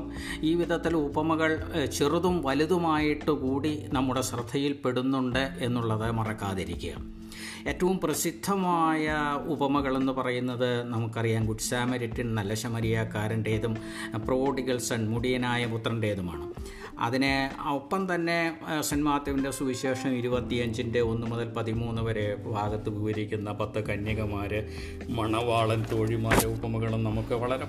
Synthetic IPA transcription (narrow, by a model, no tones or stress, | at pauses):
iːʋid̪ʱɐt̪ːilubɐmɐɣɐɭt͡ɕiruðumʋɐliðumaːjiʈːukuːɽinɐmːuɽe̞srɨd̪ʱʰɐjilpeɽunːuɳɖɨe̞nːuɭːɐðɨmɐrɐkːaːðiɾḭkʲːuɣɐ̰ | e̞ːtːɐʋumprɐsid̪ʱːɐmaːjɐubɐmɐɣɐɭe̞nːɨpɐrɐjunːɐðɨnɐmukːɐrijaːnkuʈːi̥saːmɐɾitːinnɐlːɐɕɐmɐɾijaːkːaːɾɐnɖe̞ːðum | proːɖiɣɐlsɐnmuɽijɐnaːjɐput̪ːrɐɳɖe̞ːðumaːɳɨ | ɐ̰ðineɐpːɐmt̪ɐnːe̞sɐnmaːd̪jɐminde̞suʋiɕeːʂɐmiɾubɐt̪ːiɐɲd͡ʑinde̞o̞nːɨmoðɐlpɐðimuːnːɨʋɐɾe̞bʱaːɡɐt̪ːɨʋiʋɐɾikʲːunːɐpɐt̪ːɐkɐnjɐɣɐmaːɾɨ | mɐɳɐʋaːɭɐnt̪oːɻimaːɾɐubɐmɐɣɐɭumnɐmukːɨʋɐɭɐɾe